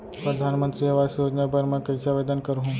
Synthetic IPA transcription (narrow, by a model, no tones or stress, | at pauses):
pɾəd̪ʱanmənt̪ɾiəʋasjod͡ʒnabʱəɾmãkəjsaʋed̪ankəɾuɦũ